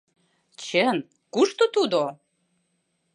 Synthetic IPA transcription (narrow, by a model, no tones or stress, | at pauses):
t͡ɕen | kuʃt̪ot̪ud̪o